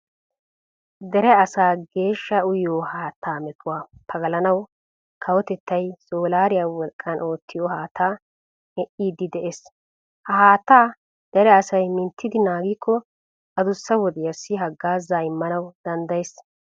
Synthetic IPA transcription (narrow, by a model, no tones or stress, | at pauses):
d̪ɛɾɛɐsaːɡe̞ːʃːɐʊjoːhaːt̪ːaːmɛtʰːʊwaːpʰɐɡɐlɐnɐw | kʰɐwɔt̪ɛt̪ːɐjsoːlaːɾɪjaːwɔlkʼːɐnʔo̞ːt̪ːɪjoːhaːt̪ʰːaː | mɛʔiːd̪ːɪd̪ɛʔeːs | hɐhaːt̪ːaː | d̪̥ɛɾɛɐsɐjmɪnt̪ʰːɪd̪ɪnaːɡiːkʰːɔ | ɐd̪ʊsːɐwɔd̪ɛjɐsːɪɦɐɡːaːzːaːɪmːɐnɐwd̪̥ɐnd̪ɐjes